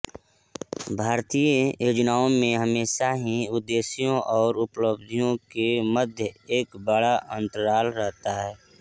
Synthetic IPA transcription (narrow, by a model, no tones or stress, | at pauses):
bʱaːɾt̪iːjoːd͡ʒnaːõmẽɦəmeːʃaɦiʊd̪ːeːsijõʔɔːɾʊpləbd̪ʱijõkeməd̪ʱjəeːkbəɽaʔə̃nt̪əɾaːlɾɛɦt̪aɦɛː